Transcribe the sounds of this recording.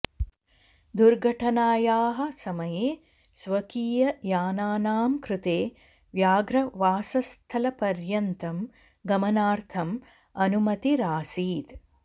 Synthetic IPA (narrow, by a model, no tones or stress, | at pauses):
d̪uɾɡʱɐʈʰɐnaːjaːɦɐ̆sɐmɐjeː | sʋɐkiːjɐjaːnaːnaːmkɾut̪eː | ʋjaːɡɾɐʋaːsɐst̪ʰɐlɐpɐɾjɐnt̪ɐm | ɡɐmɐnaːɾt̪ʰɐm | ɐnumɐt̪iɾaːsiːt̪